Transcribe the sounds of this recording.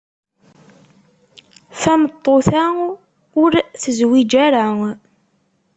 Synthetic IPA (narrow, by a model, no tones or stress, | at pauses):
θæmət̪ˤːoθæ | ʊɾθəzwid͡ʒæɾa